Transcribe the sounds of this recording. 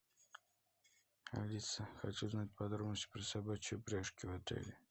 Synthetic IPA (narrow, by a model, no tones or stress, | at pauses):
a̰lʲit̪səxat͡ʃuznat̪̚ʲpɐd̪ɾobnəsʲt̪ʲpɾʲɪsabat͡ɕɪʊpɾʲaʂkʲɪvat̪ḛlʲɪ